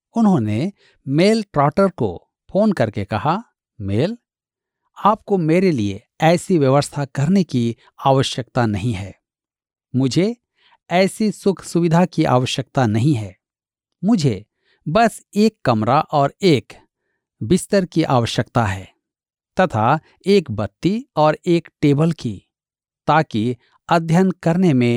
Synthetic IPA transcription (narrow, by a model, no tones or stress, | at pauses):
ʊnɦõne | meːlʈɾɔːʈəɾko̰ | pʰoːnkɐɾkekɐɦa | meːl | aːp̚komeːɾelie | ɛːsiʋjɐʋəst̪ʰakɐɾneki | aːʋəʃjək̚t̪anɐɦĩɦɛː | mʊd͡ʒʱe | ɛːsisʊkʰsʊʋɪd̪ʱakiʔa̰ːʋəʃjək̚t̪anɐɦĩɦɛː | mʊd͡ʒʱe | bɐseːkːɐmɾaʔɔːɾeːk | bɪst̪əɾkiʔa̰ːʋəʃjəkt̪aɦɛː | t̪ɐt̪ʰa | eːkbɐtt̪ːiɔːɾeːkʈeːbəlki | t̪aːki | ɐd̪ʱjənkɐɾnemẽ